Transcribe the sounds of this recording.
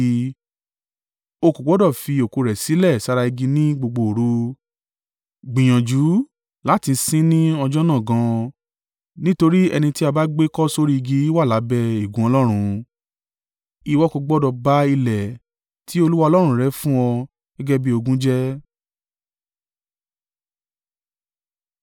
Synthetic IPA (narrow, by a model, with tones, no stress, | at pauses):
o˧ku˨ɡ͡bɔ˨˦dɔ˦˨fi˧o˨ko˧ɾɛ˨si˨˦lɛ˦˨sa˦ɾa˧i˧ɡi˧nĩ˦ɡ͡bo˧ɡ͡bo˧˨ɾu˨˦ | ɡ͡bĩ˨j̃ã˨d͡ʒu˨˦ | la˨˦ti˧˦sĩ˦nĩ˦ɔ˧d͡ʒɔ˦nã˦˨ɡã˧˦ | nĩ˦to˧ɾi˦ɛ˧nĩ˧ti˦a˧ba˦ɡ͡be˦kɔ˦so˦ɾi˦i˧ɡi˧˦i˦wa˦˨la˨˦bɛ˦i˨ɡũ˨˦ɔ˧lɔ˦ɾ̃ũ˧ | i˧wɔ˦ko˧ɡ͡bɔ˦dɔ˧ba˦i˧lɛ˨ | tʰi˨˦o˧lu˦wa˦ɔ˧lɔ˦ɾ̃ɾɛ˦fũ˦ɔ˧ | ɡɛ˦ɡɛ˦bi˦o˧ɡũ˦d͡ʒɛ˦